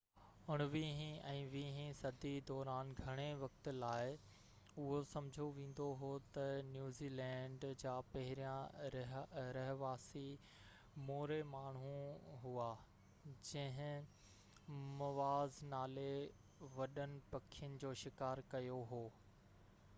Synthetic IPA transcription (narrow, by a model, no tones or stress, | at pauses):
ʊɽ̃ʋiːɦĩɛ̃ːʋiːɦĩsɐd̪ʱid̪ɔːɾaːnɡʱɐɽ̃eʋɐk̚t̪ʊ̆laːɪ | ʊɦosɐ̃mɪd͡ʑʱoʋẽːn̆d̪oɦoːt̪ɐnjuːziːlɛ̃ːɳɖd͡ʑaːpɐɦɪɾijãɾɦɾɐɦʋaːsi | moːɾemaːɳ̤̃ũɦua | d͡ʑɐ̃ɦɪ̃ | mɐʋaːznaːle | ʋɐɗənɪ̆pɐkʰijʊnɪ̆d͡ʑoːʃɪkaːɾkɐjoɦoː